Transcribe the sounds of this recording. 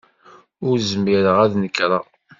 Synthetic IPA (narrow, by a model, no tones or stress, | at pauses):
ʊɾzəmaɾəʁæðnəkːɾˤɑ